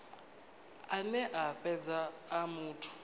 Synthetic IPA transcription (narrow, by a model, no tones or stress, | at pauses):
anɛʔafɛd͡zaːmuːtʰu̥